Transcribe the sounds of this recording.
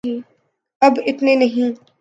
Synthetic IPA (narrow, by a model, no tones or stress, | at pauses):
ɦĩː | ɐbɪt̪nenɐɦĩː